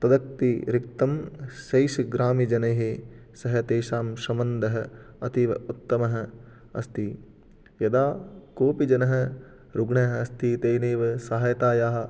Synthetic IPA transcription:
t̪ɐd̪ɐk̚t̪iɾik̚t̪ɐmʃɐjʃiɡɾaːmid͡ʒɐnɐjɦesɐɦɐ̆t̪eːʃaːmʃɐmɐnd̪ɐɦɐɐt̪iʋɐ̰ut̪ːɐmɐɦɐ̆ | ɐ̰st̪i | jɐd̪aːkoːpid͡ʒɐnɐɦɐ̆ | ɾuɡɳɐɦɐɐst̪it̪eːneːʋɐsaɦɐjɐt̪aːjaːɦɐ̆

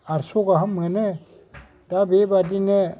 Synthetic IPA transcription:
aɾsoɡaɦamːɛne | tabebadine

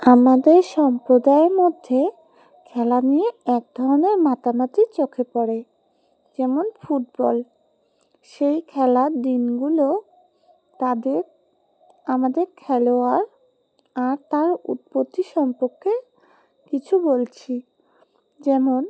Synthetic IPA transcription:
amad̪eɾʃɔmpɾod̪aeɾmod̪ʱːe | kʰɛlanijeɛk̚d̪ʱɔɾoneɾmat̪amat̪it͡ɕokʰepɔɾe | d͡ʑɛmonfuʈ̚bɔl | ʃejkʰɛlad̪inɡulo | ad̪e | amad̪eɾkʰɛloaɾ | aɾt̪aɾṵt̪̚pot̪ːiʃɔmpoɾkʰːe | kit͡ɕʰubolt͡ɕʰi | d͡ʑɛmon

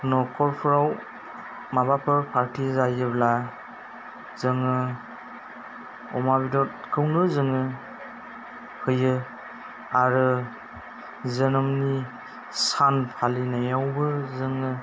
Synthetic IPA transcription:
nɔkʰɔɾpʰɾaw | mabapʰɯpʰaɾtʰizajɯbla | zɯŋɯ | ɔmaβidɔt̚ | kʰɯwnɯzɯŋɯ | kʰɯjɯ | aɾɯ | zənɔmni | sanpʰalinajawbɯzɯŋɯ

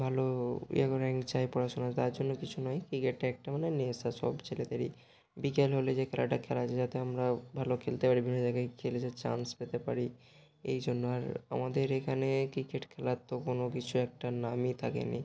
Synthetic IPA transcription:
bʱaloɛkoɾɛŋt͡ɕajpɔɽaʃonat̪aɾd͡ʑonːokit͡ɕʰunɔjkɾikeʈ̚ʈaɛk̚ʈamanenesaʃɔ̰bt͡ɕʰeled̪eɾi | bikelɦoled͡ʑekʰɛlaʈakʰɛlad͡ʑad͡ʑat̪eamɾabʱalokʰelt̪epaɾibibʱinːod͡ʑajɡajkʰeled͡ʑat͡ɕa̰nspet̪epa̰ɾi | ḛjd͡ʑonːoaɾa̰mad̪eɾekʰanekɾikeʈkʰɛlat̪ːokonokit͡ɕʰuɛk̚ʈanamit̪ʰakḛnḭ

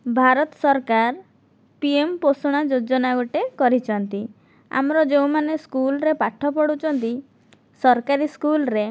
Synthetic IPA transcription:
bʱaɾɔt̪ɔ̥sɔɾkaɾ | piemposuɽ̃ad͡ʒod͡ʒɔnaɡoʈekɔɾit͡ʃʰɔnt̪i | a̰mɾɔd͡ʒeũmaneskulɾepaʈʰɔpɔɽut͡ʃʰɔnt̪i | sɔɾkaɾiskulɾe

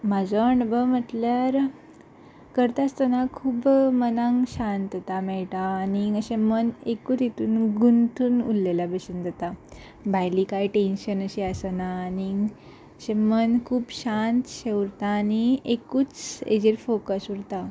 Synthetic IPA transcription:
mad͡zɔəɳbəm̤əʈljaɾ | kəɾt̪ast̪ənakʰuːbmənãŋɡɕant̪ət̪amɛɭʈ̪aːniəɕẽmənekut̪it̪uːnɡunt̪ʰuːnulːelabəɕənd̪ət̪a | bʱajlikajʈenɕənəɕeasənaːni | əɕẽmənkʰuːbɕant̪ɕeuɾt̪aːniekuːt͡sḛd͡ʑeɾfokəsuɾt̪a

